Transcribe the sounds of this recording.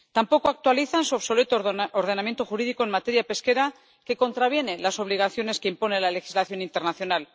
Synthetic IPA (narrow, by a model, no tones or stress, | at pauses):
t̪ampo̞koak̚t̪waliθansuaβso̞le̞t̪ooɾðe̞namjent̪o̞xuɾiðiko̞enmat̪e̞ɾjape̞ske̞ɾa | ke̞ko̞nt̪ɾaβje̞ne̞laso̞β̞liɣ̞aθjo̞ne̞ske̞impo̞ne̞lale̞xi̥zlaθjo̞nint̪e̞ɾnaθjo̞nal